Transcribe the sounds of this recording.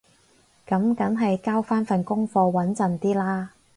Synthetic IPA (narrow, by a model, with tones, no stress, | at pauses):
kɐ˨˥mkɐ˨˥nɦɐ˨jkaː˥wfaː˥nfɐ˨nkʊ˥ŋfɔː˧wɐ˨˥nt͡sɐ˨˩nt̪iː˥laː˥